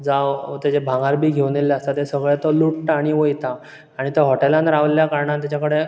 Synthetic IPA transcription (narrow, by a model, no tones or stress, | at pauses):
d͡zawt̪ed͡ʑebʱãŋɡaɾbʱiːɡʱeʋneleast̪at̪esəɡɭet̪ɔluʈːaɽ̃iʋojt̪aː | ɽ̃it̪əɦɔʈelãnɾaʋljakaɾɳant̪jat͡ɕakəɽe